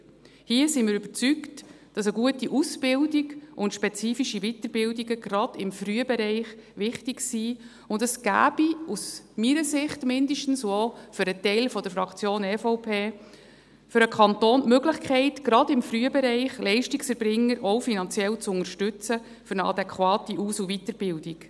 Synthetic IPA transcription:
hiəsimɪɾʏb̥əɾt͡sykt | d̥ɑsəɡuətiʔusbɪldiɡʔʊndʃpɛt͡siːfiʃivitəɾbɪldiɡəɡɾɑd̥ɪmfryːəbɛɾɛɪχʋɪχtiɡsiː | ʊndəsɡ̥æ̰ːb̥ius | miɾəsɪχtmɪndəʃtn̩sofʏɾətɛɪlfɔd̪əɾfɾɑkʰt͡sjoːnɛfɔwpʰeː | fʏɾəkʰɑntoːnmøɡlɪχkʰɛɪtɡ̥ɾɑdɪmfryəbɛɾɛɪχlɛɪʃtiksɛɾbɾɪŋːəɾʔɔwfinɑnt͡sjɛlt͡sʊŋəɾʃtʉt͡sə | fʏɾnəɑ̰dɛkʰχwɑːtiʔuːsuvitəɾb̥ɪldiɡ

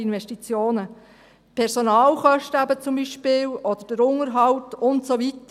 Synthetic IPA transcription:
inʋɛʃtit͡sjoːnə | pʰɛɾsonɑːlχœʃtəæbət͡sʊmbiʃpɪːlɔd̥̪əɾd̥əɾʊŋəɾɦɑwtʊntsovitə

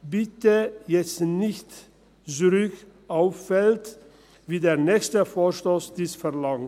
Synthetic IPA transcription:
bɪtəjɛt͡stnɪçt | zyʁʏç | ʔaʊfːɛlt | viːdeːɐʁnɛːçstəfoːɐʃtoːsd̥iːsfɛɐlaŋ

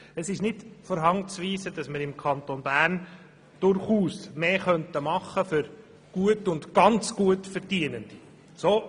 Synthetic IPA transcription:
ɛsɪʃnɪdfɔɾɦɑŋt͡sʋiːsədɑsməɾɪmkʰɑnt̪onbæːɾn | d̥ʊɾχuːsmeːχœntəmɑχːəfʏɾ | ɡ̥uətʊndɡ̥ɑnt͡sɡ̥uətfɛɾdiənənd̥i | soː

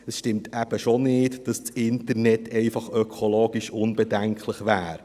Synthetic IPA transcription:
əsʃtɪmtʰæb̥əʃonɪːtd̥ɑst͡sɪntərnɛtʰɛɪfɑχœkʰoloːɡ̥iʃʊnbɛdæŋkʰləχʋæːɾ

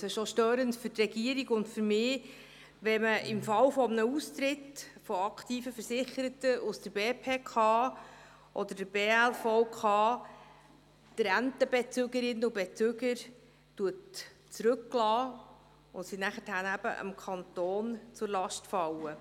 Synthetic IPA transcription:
sɛʃɔʃtøːɾəntfʏtrɛɡ̥iəɾiɡʊntfʏɾmɪː | ʋɛməʔɪmfɑwfɔmənəust̪ɾɪtfɔɑkχtiːfəfəɾsɪχəɾətəʔusd̥̪əɾbeːpʰeːkʰɑː | ʔɔd̥̪əɾdəb̥eːælfɔwkʰɑː | tɾæntəbɛt͡søɡəɾɪnːəubet͡søɡəɾ | tuət | t͡sɾɵkːlɑː | ʊntsinæχəthænæb̥ə̰ʔə̰mkʰɑnt̪oːnt͡sʊɾlɑʃtfɑwə

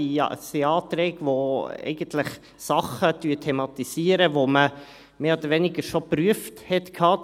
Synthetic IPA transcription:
ḭseɑːt̪ɾɛːɡʋoɛ̰ɪɡ̥əntʰlɪχ | sɑχəd̥yːtʰɛmɑt̪isiːəɾəʋomə | meːoːdəɾʋɛnɪɡəɾʃopɾyəfthɛt̪kʰhɑː

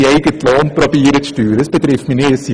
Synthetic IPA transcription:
iɛjɡətlɑːnprobiːɾətstyːɾəsbətrɛfməneəsi

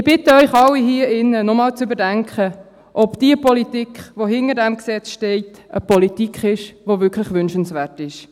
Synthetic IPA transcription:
ɪb̥ɪtəœʏχɑlːiɦiːəɪnːənɔmɑːlt͡sʏbədæŋkʰχə | ʔɔbd̥iəpɔlitikχʋohɪŋədɛmksɛt͡sʃtɛɪtəpɔlitikχɪʃʋovʏkʰləχʋʏnʃənsʋæːtɪʃ

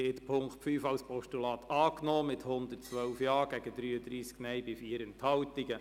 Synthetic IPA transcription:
ɪtpʰʊŋktfyːfɑwspʰɔʃtulɑːt̪ʰɑːknoːmɪthʊnd̪ərtt͡sʋœlfjɑːɡ̥æɡədɾyːəd̪ɾiːsknɛjbɪfiːəɾənthɑwtiɡə

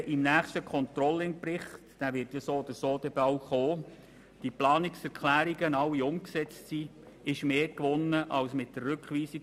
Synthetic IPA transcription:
ʔɪmnæːχstəkʰɔnt̪ɾɔlɪŋpɾɪχtd̥æʋɪtjɑsoːd̪əsoːd̥̪ɛbɑwχoː | d̥iplɑːnɪksɛɾkʰlæːɾiɡənɑwiʊmksɛt͡stsiː | ɪʃmeːkʋʊnːəʔɑwsmɪt̚d̥ərːʏkχʋiːsi

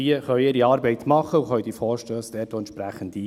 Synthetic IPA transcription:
iəχœʏɪːɾiɑːɾbɛɪt̪mɑχːəuχœʏd̪ifɔːɾʃtøːsd̥̪ɛːtoɛntʃpɾæχənd̪i

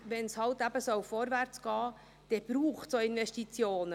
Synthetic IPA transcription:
ʋɛnshɑltæb̥əsœwfoːɾʋæɾt͡sɡ̥ɑː | d̥ɛb̥ɾuːχtsoɪnʋɛʃtit͡sjoːnə

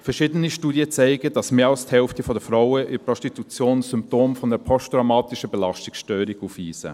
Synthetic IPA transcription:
fɛɾʃɪːdəniʃtuːdjət͡sɛɪɡəd̥ɑsmeːɾɑlsthɛlftəfɔdəfɾaʊəʔɪpɾɔstitut͡sjoːnsʏmp̚toːmfɔndɛpʰɔstɾamaːtɪʃəbɛlɑʃtɪkʃtøːɾiɡuːfʋiːsə̰

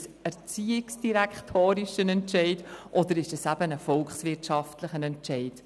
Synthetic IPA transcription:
sɛɾt͡siːɪksd̥iɾɛkχtʰoːɾiʃənɛntʃɛɪdʔɔd̪əɾɪʃd̥ɑsæb̥ənəfɔlkχsʋɪtʃɑftləχənɛntʃɛɪd̥

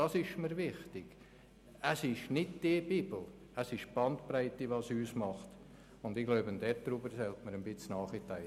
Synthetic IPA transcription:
ɑsɪʃməɾvɪχtɪɡ̥ | æsɪʃnɪdd̥ɪbiːbl̩ | æsɪʃb̥ɑntpɾæɪtiʋɑsyːsmɑχt | ʊndɪɡloʊbənd̥̪ɛtd̥ɾubəɾsɛltməɾənbɪt͡snɑːχɪtæɪ

